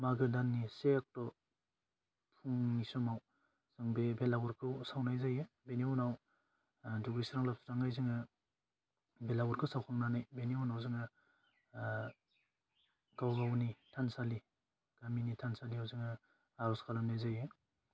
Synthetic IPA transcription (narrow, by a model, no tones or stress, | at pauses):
maɡɯdanːisek̚tɔ | pʰuŋnisɔmaw | z̥ɯŋbebelaɡɔɾkʰɯwsawnajzaje | beniɔnaw | duɡisɾaŋlap̚sɾaŋajzɯŋɯ | belaɡuɾkʰɯsawkʰaŋnanajbeniɔnawzɯŋɯ | ɡawɡawnitʰansali | ɡ̥aminitʰansaliawzɯŋɯ | aɾɔskʰalamnajzaje